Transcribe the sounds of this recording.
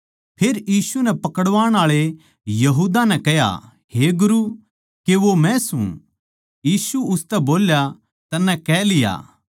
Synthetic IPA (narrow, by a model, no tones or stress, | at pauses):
pʰeːɾjiːsunɛpɐkəɽʋaːɽ̃aːɭe | jɐɦuːd̪anɛkɛja̰ | heɡʊɾu | keʋomɛ̃sṵ̃ | jiːsuʊst̪ɛboːlja | t̪ɐnːɛkɛːlɪja̰ː